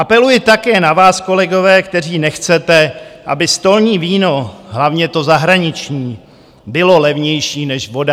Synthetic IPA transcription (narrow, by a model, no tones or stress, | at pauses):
ʔapɛlujɪt̪akɛːnavaːsko̞lɛɡo̞vɛːkt̪ɛr̝iːnɛxt͡sɛt̪ɛʔa̰bɪst̪o̞lɲiːviːno̞ɦlavɲɛt̪o̞zaɦɾaɲɪt͡ʃɲiː | bɪlo̞lɛvɲɛjʃiːnɛʃvo̞da